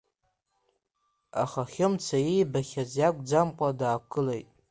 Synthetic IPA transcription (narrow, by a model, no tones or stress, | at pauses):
a̰χaχʲɪmt͡sʰajijbaχʲazjakʷʼd͡zamqʷʼadaːkʰɨlejtʼ